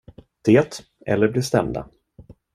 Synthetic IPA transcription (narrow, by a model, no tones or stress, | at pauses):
d̪̥eːt̪ | ʔɛlːəɾblɪʂt̪ɛmd̪a̰